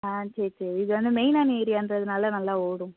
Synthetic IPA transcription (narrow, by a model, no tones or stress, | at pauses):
aːt͡ʃɛɾit͡ʃɛɾɪðɯʋɐnd̪ɯmɛɪnaːneːɾɪjaːndɾɐɐðɯnaːlɐnɐlːãːoːɽũ